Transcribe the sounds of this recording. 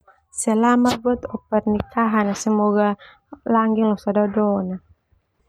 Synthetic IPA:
sɛlamabuat̪ɔpɛrnikaɦanasəmɔɡa | laŋɡiŋlɔsadadɔna

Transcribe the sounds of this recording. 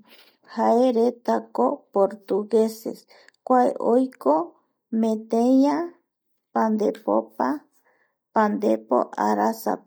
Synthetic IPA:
haeɾet̪akopoɾt̪uɡesḛs | kʷaḛʔojko | mẽt̪eja | pand̪epo̰pa | pand̪epo̰ʔaɾasa̰

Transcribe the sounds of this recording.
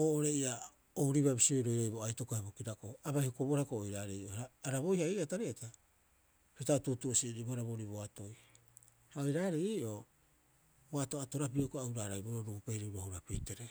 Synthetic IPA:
oːʔoɾeia | owɾiβabisiojɾo̞jɾojboajto̞koabokiɾakoabajhokoboɾakoːjɾaɾeiʔoaːɾabo̞jhaiataɾeata | petaotutuosiɾibohaɾaβoɾiboato̞j | haojɾaːɾeiːʔo̞ | boato̞ato̞ɾapiokoawɾaːɾajboɾoɾuɡupe̞jɾiɾohuɾapiteɾe

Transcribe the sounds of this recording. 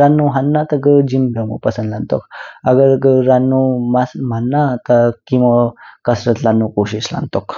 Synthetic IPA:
ɾanːuɦanːat̪ɐɡəd͡ʒimbʱɐmṵpɐsə̃nd̪lant̪o̰kɐɡəɾɡəɾanːumasmanːat̪ɐkimɐkɐsɾət̪lanːukoɕisla̰nt̪ok

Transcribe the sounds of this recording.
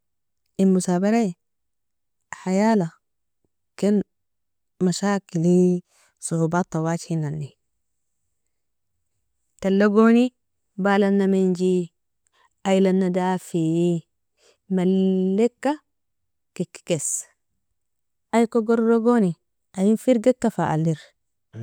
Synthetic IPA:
imusaːbaɾa | ħajaːla | ken | maʃaːkili | suhubat̪ːɑwaːt͡ʃhinanːi | talːaɡoni | baːlanːamend͡ʒi | ajlanːadafi | malːekːa | kikːi̥kes | ʔajkoɡoɾɾoɡoni | ʔajinfiɾɡekːafaʔa̰lːiɾ

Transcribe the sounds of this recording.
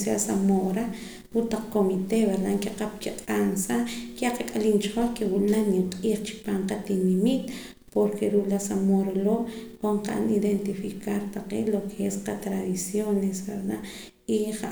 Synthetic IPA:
sjasamoɾa | put̪aq͡χkomit̪eβeɾd̪aŋkeqap̚kiqʼansakaqakʼalint͡ʃχoχkewunanjiɴqʼiːχt͡ʃi̥paːɴqat̪inimit̪̚ | poɾkʰeɾuʔlasamoɾaloːkoɴqaʔa̰niðent̪ifikaɾt̪aqḛːlokʰeesqat̪ɾaðisjonesbeɾd̪a | iχa

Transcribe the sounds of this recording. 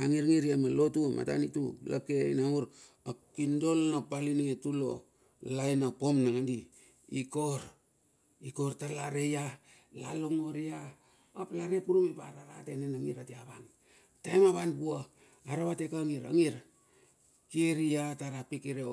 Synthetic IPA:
aŋiɾŋiɾiamalotuma̰ta̰nitṵla̰keḭnaŋuɾ | akindo̞lnapaliniŋetulo̞̰ | lajnapo̞mnaŋandiː | ko̞ɾ | iko̞ɾtalaɾeja | lalo̞ŋoɾiaː | plaɾepuɾumipaɾaɾa̰tenenaŋiɾateaβaŋ | tajmaβanpua | aɾaβatekaŋiɾa̰ŋiɾ | kieɾiataɾapikiɾe

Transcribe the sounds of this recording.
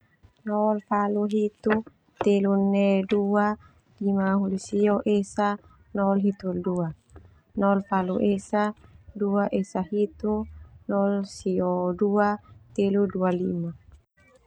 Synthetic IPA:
nɔlfaluɦit̪u | t̪elunedua | limaɦulisiɔʔesa | nɔlɦit̪uldua | nɔlfaluʔesaduaʔesahit̪unɔlsioduat̪eludualima

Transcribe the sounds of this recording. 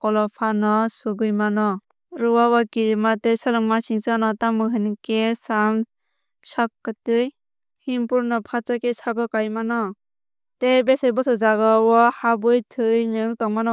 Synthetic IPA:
kɔlɔpʰanɔsuɡɯjmanɔ | ɾɯwawakiɾimatesalɯŋmasiŋsanɔtamɯɦɯnkesam | sakːɯtɯj | himpuɾnɔpʰat͡ʃakesʰaɡɯkajmanɔ | tebesɯjbɔsɯzaɡawɔhabɯjtʰɯjnɯŋtɔŋmanɔ

